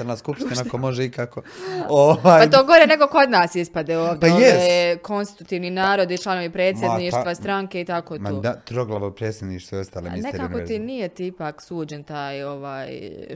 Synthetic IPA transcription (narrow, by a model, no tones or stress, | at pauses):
aɾnaskupt̪inanakomo̞ʒeikakooʋaːjat̪oːɡo̞ɾene̞ɡo̞ko̞d̪naːsispad̪eoːʋd̪eeko̞nst̪i̥t̪u̥t̪iːʋninaːɾo̞d̪it͡ʃlˠano̞ʋipɾe̞ːt̪sjed̪niːʃt̪ʋast̪ɾaŋke̞it̪ako̞ːtmoːd̪at̪ɾoɡlˠaʋopɾeːt̪sʲjed̪niːʃt̪vjost̪aːleminekaaot̪inijet̪iipaːksuːd͡ʒent̪aːjo̞ʋaːj